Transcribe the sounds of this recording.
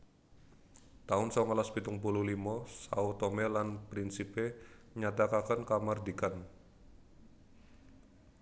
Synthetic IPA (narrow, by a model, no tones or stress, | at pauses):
t̪aʊnsɔŋalaspit̪ʊŋpuluhlimɔsa̰ut̪omelanpɾinsipeməɲat̪akakankamard̪ikan